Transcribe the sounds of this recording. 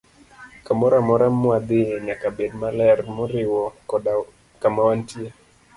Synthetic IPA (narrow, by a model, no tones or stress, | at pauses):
kamɔɾamɔɾamʊad̪ɪeɲakabed̚malɛrmʊɾɪwɔkɔda | kamawantje